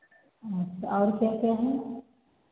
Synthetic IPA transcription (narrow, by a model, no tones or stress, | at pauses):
at͡ʃɔːɾkjakjaɦɛ